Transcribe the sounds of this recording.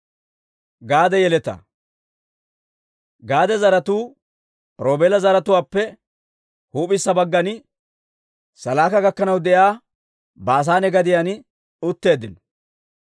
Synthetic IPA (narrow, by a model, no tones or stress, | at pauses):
ɡaːd̪ɛjɛlɛt̪ɐ̰ | ɡaːd̪ɛzɐɾɐt̪uː | ɾo̞ːbeːlɐzɐɾɐt̪ʊwaːpːɛ | huːpɪsːɐbɐɡːɐnɪ | sɐlaːkɐɡɐkːɐnɐwd̪ɛjaː | baːs̬aːnɛɡɐd̪ɪjanɪ | ʊt̪ːe̞ːd̪ːɪnɔ̥